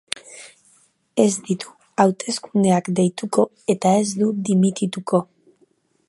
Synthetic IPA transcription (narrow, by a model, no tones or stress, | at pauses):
e̞zd̪it̪u̥ | awt̪e̞skund̪e̞akd̪e̞jt̪uko̞ | e̞t̪ae̞zd̪ud̪imit̪it̪uko̞